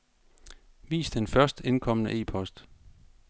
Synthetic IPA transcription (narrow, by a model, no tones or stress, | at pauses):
ʋḭːsd̥enfɶɐsd̥e̝nkʰɒ̽m̰ənəʔe̝̰ːpʰɒ̽sd̥